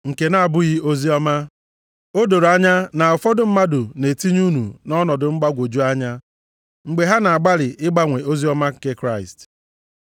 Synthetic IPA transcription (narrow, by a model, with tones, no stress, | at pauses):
ŋ̩˨ke˨na˨a˨bʊ˦ɣi˦o˦zi˦ɔ˦ma˦ | o˦do˨ɾa˦ɲa˦na˨ɔ˨fɔ˦dʊ˦˨m̩˦ma˦dʊ˨ne˨ti˦ɲu˦nu˨nɔ˦nɔ˨dʊ˨ŋ͡m̩˦ɡ͡ba˦ɡʷo˨d͡ʒu˦a˦ɲa˦ | ŋ͡m̩˨ɡ͡be˨ɦa˦na˨a˨ɡ͡ba˦ɾɪ˨ʔɪ˦ɡ͡ba˦ŋʷe˨o˦zi˦ɔ˦ma˦ŋ̩˨ke˦kɾa˦˨ɪ̰˨st